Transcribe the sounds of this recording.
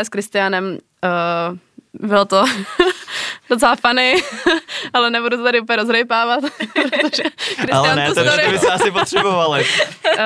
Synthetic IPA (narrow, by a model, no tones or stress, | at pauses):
ɛskɾɪst̪ɪjanɛm | bɪlot̪o | dot͡sɛlafanɛj | ʔalɛnɛbudut̪ot̪aɾɪʔup̬əɲɛɾozɾɛjpaːvat̪pɾot̪oʒɛɾɪsalɪɛanɛst̪ɾbɪsɛasɪpot̪r̥ɛbovalɪ